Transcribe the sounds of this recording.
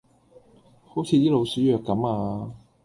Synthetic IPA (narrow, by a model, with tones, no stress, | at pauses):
ho˨˥wt͡sʰiː˨˧j̪iː˥lo˨˧wsyː˨˥jœː˨kːɐ˨˥maː˧